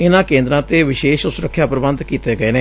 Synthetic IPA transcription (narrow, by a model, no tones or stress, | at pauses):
ɪnãːkẽːnd̪ɾãːt̪eːʋɪʃeːʃʊsʊɾəkʰːjaːpɾəbə̃nd̪kiːt̪eːɡəeːneː